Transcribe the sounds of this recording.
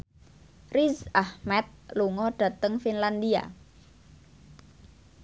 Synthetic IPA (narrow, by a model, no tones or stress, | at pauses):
rizahmɛt̪̚luŋɔɖ̥a̤t̪əŋfinland̪ia̰